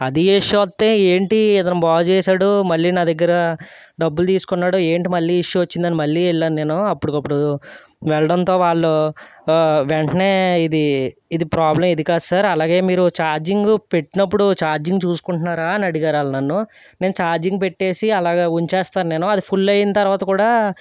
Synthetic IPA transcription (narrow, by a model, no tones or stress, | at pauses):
ɐd̪iiʂjuʋɐt̪ːeːeːɳʈiɛt̪ɐnɐmbaːɡɐt͡ʃɛːʃaːɽumɐɭːiːnaːd̪ɐɡːɐɾɐɖɐbːult̪iːsu̥kunːaːɽue̞ːɳʈimɐɭːiːiʂjuʋɐt͡ʃːind̪ɐnimɐɭːiːɛɭːaːnne̞ːnuɐpːuɽukɐpːuɽu | ʋɛɭɐɽɐnt̪o̞ːʋaːɭːo | ʋeɳʈɐne̞ːid̪iːd̪ipɾaːblɐmed̪ikaːd̪ɐsaːɾɐlaːɡe̞ːmiːɾut͡ʃaːɾd͡ʒiŋɡupe̞ʈːinɐp̬ːuɽut͡ʃaːɾd͡ʒiŋɡut͡ʃuːsu̥kuɳʈunːaːɾaːnɐɽiɡaːɾaːlnɐnːu | ne̞ːnut͡ʃaːɾd͡ʒiŋɡupe̞ʈːe̞ːsiɐlaːɡeːuɲt͡ʃeɛːst̪aːnne̞ːnuɐd̪ipʰulːɐjinɐt̪ɐɾʋaːt̪ɐkuːɽaː